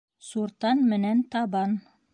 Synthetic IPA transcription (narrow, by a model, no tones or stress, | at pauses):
suɾt̪ɑnmɘ̆nænt̪ɑbɑn